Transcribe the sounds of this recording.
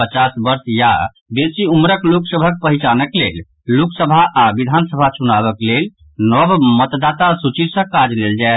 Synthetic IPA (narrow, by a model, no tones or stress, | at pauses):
pət͡ʃasbəɾsja̰ | besiumɾəkloksəbʱək̚pəɦit͡ʃanəklel | loksəbʱaʔabid̪ʱansəbʱat͡ʃunaβəklel | nɔbmət̪d̪at̪asut͡ʃisə̃kad͡ʒleld͡ʒae